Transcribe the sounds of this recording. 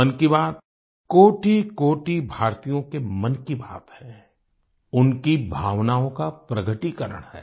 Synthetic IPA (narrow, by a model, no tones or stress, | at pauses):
ənkibaːt̪ | koːʈikoːʈibʱaːɾt̪ijõkemɐnkiba̰ːt̪hɛ̃ː | ʊnkibʱaːʋnaːõkapɾɐɡəʈikɐɾə̰ɽ̃hɛ̰ː